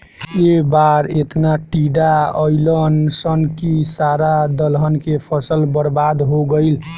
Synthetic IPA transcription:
ebaɾet̪naʈiɖaəɪlənsənkisaɾad̪əlɦənkepʰəsəlbəɾbad̪ɦoɡəɪl

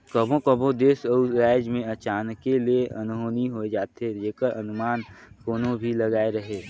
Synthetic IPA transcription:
kəbʱõkəbʱõd̪eːsəʊɾaːɪd͡ʒmẽət͡ʃaːnkːelieʔə̰nɦoːniɦoed͡ʒaːt̪ɦed͡ʒeːkəɾənʊmaːnkoːnõbʱiləɡaːeɾəɦeː

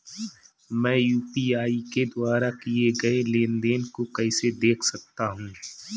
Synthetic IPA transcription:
mɛ̃ːjuːpiaːiked̪ʊaːɾakieɡɐeleːnd̪eːnkokɛɪsed̪eːkʰsɐk̚t̪aɦũː

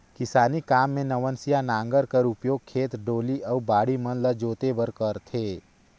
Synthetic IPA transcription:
kɪsaːnikaːmːẽnəʋənsijanãːŋɡəɾkəɾʊpjoːɡ̚kʰeːt̪ɖoːliʔəubaːɽimənləd͡ʒoːt̪ebəɾkəɾt̪ʰeː

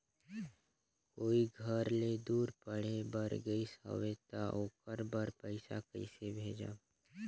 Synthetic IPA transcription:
koːiɡʱəɾled̪uːɾpəɽ̤ebəɾɡəisɦə̰ʋet̪aʔokəɾbəɾpəɪsa̰kəɪsebʱeːd͡ʒa̰ː

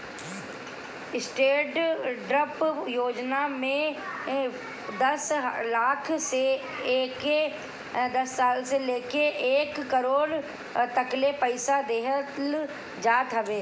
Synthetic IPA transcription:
ɪsʈeːʈɖɾəpjoːd͡ʒnamẽ | d̪əslaːkʰseː | ke | d̪əsːaːlseleːkeʔeːkːəɾoːɽ | t̪əklepəɪsad̪eːɦət̪l | d͡ʒaːt̪ɦəʋeː

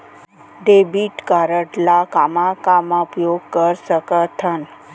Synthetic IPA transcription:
ɖebiʈkaɾəʈlakamakamãupjoɡ̚kəɾsəkət̪ʰən

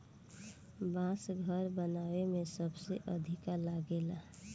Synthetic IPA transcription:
bãsɡʱəɾbənaːwemẽsəbseʔəd̪ʱikalaɡela

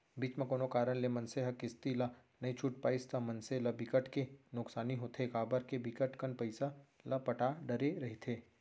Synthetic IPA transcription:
biːt͡ʃmẽkoːnokaːɾənlemɐ̃nseɦɐkɪst̪ilɐ | nɐit͡ʃʰuʈ̚paːɪst̪ʰɐmɐnselɐbikəʈkenʊksaːniɦoːt̪ʰekaːbəɾkebɪkəʈkənpɐɪsalɐpɐʈaɖɐɾeɾɐɦit̪ʰeː

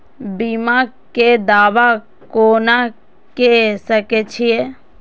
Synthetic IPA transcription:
bima | ked̪aːʋa | koːna | kesəket͡ʃʰije

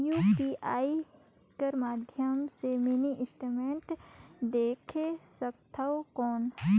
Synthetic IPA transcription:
juːpiʔaːi | kɐɾmaːd̪ʱjəmseminiʔɪsʈumẽɳʈd̪eːkʰesəkt̪ʰaokɔːn

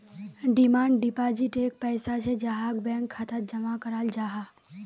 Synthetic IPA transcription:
ɖɪmaːɳɖɖipad͡ʒiʈek̚pɛːsat͡ʃʰed͡ʒaɦaɡbɛ̃ŋkʰːat̪ʰat̪d͡ʒəmakəɾald͡ʒaɦa

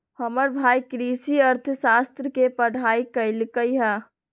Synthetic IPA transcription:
həməɾbʱaːikɾiːsiəɾt̪ʰsaːst̪ɾəkepəɽ̤ʱaːikəɪlkəiɦɛː

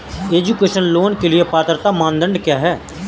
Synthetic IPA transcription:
eːd͡ʒukeːʃənloːnkeliepaːt̪ɾt̪amãːnd̪ə̃ɳɖkjaːɦɛː

